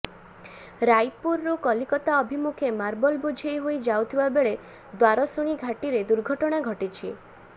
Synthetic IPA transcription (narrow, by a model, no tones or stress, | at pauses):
ɾajpuɾːukɔlikɔt̪aɔbʱimukʰjemaɾbɔlbud͡ʒʱejɦojd͡ʒawt̪ʰibabeɭe | d̪waɾɔsuɽ̃iɡʱaʈiɾed̪uɾɡʱɔʈɔɽ̃aɡʱɔʈit͡ʃʰi